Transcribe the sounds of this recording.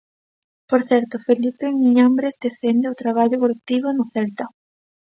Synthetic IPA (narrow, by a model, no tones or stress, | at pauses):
poɾθɛɾt̪ʊfelipeŋiŋambɾezd̪efend̪eʊt̪ɾaβaʎʊkolek̚t̪iβ̞ʊnʊθɛlt̪a